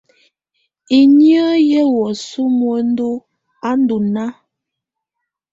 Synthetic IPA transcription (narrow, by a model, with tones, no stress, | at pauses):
i˨ɲjə˦jɛ˦wɔ˨su˦mwo˨˦n̩˦du˦ | a˦n˦du˨na˦